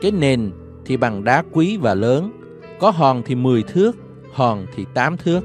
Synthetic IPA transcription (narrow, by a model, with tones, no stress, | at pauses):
kaː˨˦jne˨˩n | t̪ʰi˨˩ɓa˨˩ŋɗaː˨˦kwi˨˦vaː˨˩ləː˨˦n | kɔ˨˦ɦɔ˨˩nt̪ʰi˨˩mɨ˨˩əjt̪ʰɨ˦˥ək̚ | hɔ˨˩nt̪ʰi˨˩t̪aː˨˦mt̪ʰɨ˦˥ək̚